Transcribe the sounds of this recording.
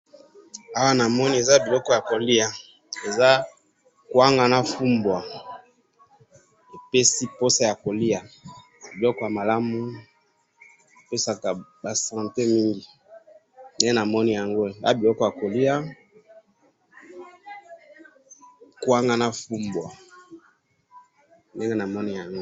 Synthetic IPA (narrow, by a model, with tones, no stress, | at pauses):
a˦wa˦na˨mɔ˦ni˦e˨za˦bi˨lɔ˦kɔ˦˨ja˨ko˨li˦a˨ | e˨za˦ | kwa˦ŋɡa˨na˨fu˦mbwa˨ | e˨pe˦si˦po˦sa˦ja˨ko˨li˦a˨ | bi˨lɔ˦kɔ˦ja˨ma˨la˦mu˦˨ | pe˦sa˨ka˨ba˨sã˨nte˦mi˦ŋɡi˨ | nde˦na˨mɔ˦ni˦ja˨ŋɡo˦˨a̰˦bi˨ɔ˦kɔ˨ja˨ko˨li˦a˦ | kwa˦ŋɡa˦na˦fu˦mbwa˨ | nde˦ne˦na˨mɔ˦ni˦ja˨ŋɡo˦